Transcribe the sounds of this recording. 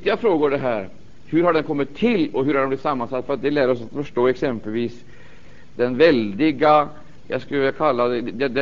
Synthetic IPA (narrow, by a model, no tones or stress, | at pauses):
t̪ɪafɾoːɡʊɖɛɦæːɾ | hɵɾhaɖɛnkʰɔmːɪt̪ʰːɪlːɔɦɵɾhaɖɛmb̪lɪt̪ːsamːansat̪ːfœɾat̪̚d̪ɛlæːɾəɔsat̪fœʂʈoːɛksɛmpəlʋiːs | d̪̥ɛnvɛld̪ɪɡa | ja̰skləvɪlakʰalːad̪ɛd̪d̪ɛd̪ɛ